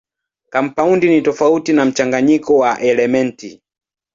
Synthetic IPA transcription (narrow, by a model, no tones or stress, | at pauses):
kam̩paundinitɔfautinam̩t͡ʃaŋɡaɲikɔwaʔɛlɛmɛnti